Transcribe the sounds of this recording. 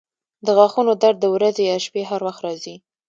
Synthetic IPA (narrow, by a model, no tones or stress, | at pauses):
d̪əɣwɑxunod̪aɾd̪̚ːəwɾazejɑʃpeɦaɾwaxt̪ɾɑzi